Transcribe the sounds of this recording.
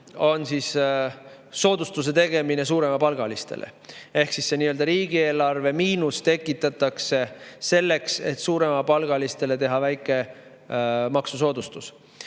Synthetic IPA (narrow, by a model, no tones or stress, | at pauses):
o̞nsis | so̞ːd̪̥ust̪use̞t̪e̞ɡ̥e̞mine̞s̬uːɾe̞mɑpɑlɡ̥ɑlist̪e̞̰lʔḛe̞hksisseniːøld̪ɑɾiːɡ̥ie̞ːlɑrve̞miːnust̪e̞kːˑit̪ːˑɑt̪ːˑɑkse̞se̞lːe̞kse̞t̪ːˑsuːɾe̞mɑpɑlɡ̥ɑlist̪e̞le̞t̪e̞ɦɑvæjkːˑe̞ | mɑksuso̞ːd̪ust̪us